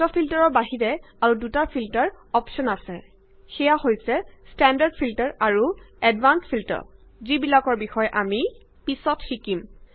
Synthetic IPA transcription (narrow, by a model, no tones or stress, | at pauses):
tɔpʰiltaɹɔɹbaɦiɹɛ | aɹudutapʰiltaɹ | ɔpsɔnasɛ | xɛjahojsɛstɛndaɹdpʰiltaɹaɹuɛdvanspʰiltɔ̰ɹ | zibilakɔɹbixɔjʔami | pisɔtxikim